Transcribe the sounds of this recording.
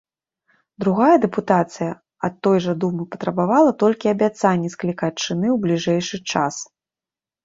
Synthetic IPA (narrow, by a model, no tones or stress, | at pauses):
d̪ɾuɣajɐd̪ɛput̪at̪sɨjɐ | ɐt̪ːɔjʐɐd̪umɨpɐt̪ɾɐbavalˠɐt̪ɔlʲkʲiɐbʲat̪sanʲːɛsklʲikat͡ʂɨnɨwblʲiʐɛjʂɨt͡ʂas